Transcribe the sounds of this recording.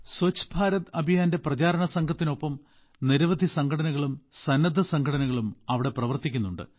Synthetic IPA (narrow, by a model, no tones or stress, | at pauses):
sot͡ɕːbʱaːɾɐt̪ɐbʱijaːnde̞prɐt͡ɕaːɾɐɳɐsɐŋkʰɐt̪ːino̞pːɐm | niɾɐʋɐd̪ʱisɐŋkʰɐɽɐnɐɣɐɭumsɐnːɐd̪ʱɐsɐŋkʰɡʰʱɐɽɐnɐɣɐɭumɐʋiɽe̞prɐʋɐrt̪ikʲːunːuɳɖɨ̰